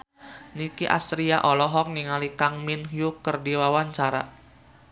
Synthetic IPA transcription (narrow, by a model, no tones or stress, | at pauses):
nikiʔasɾiaʔɔlɔɦɔk̚niŋalikaŋminɦjukərdiwawaɲt͡ʃaɾa̰